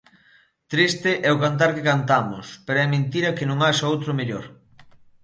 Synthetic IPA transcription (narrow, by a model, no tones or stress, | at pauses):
t̪ɾist̪eʔɛokant̪̬aɾkekant̪amʊ̰speɾoɛmẽnt̪iɾɐkenõŋaʃɐowt̪ɾomeʎoɾ